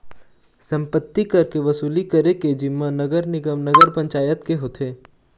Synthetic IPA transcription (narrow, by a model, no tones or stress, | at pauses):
sɐ̃mpət̪ːikɐɾkeʋɐsuːlikɐɾeked͡ʒɪmːanɐɡəɾnɪɡəmnɐɡəɾpɐ̃ɲt͡ʃaːjət̪keɦoːt̪ʰeː